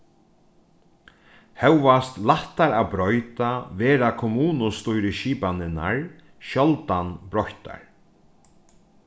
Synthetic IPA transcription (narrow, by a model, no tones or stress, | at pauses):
hɛwvast̪laht̪aɾabɾɔjt̪avɛːɾakʰɔmuːnʊst̪ujɾɪʃiːpanɪna̰ɹ | ʃɔlt̪anbɾɔçt̪a̰ɹ